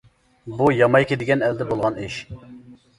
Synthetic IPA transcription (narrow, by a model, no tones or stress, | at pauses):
bujɑmɑjkʲid̪ɪɡʲɛnɛld̪ɛbolˠʁɑniʃ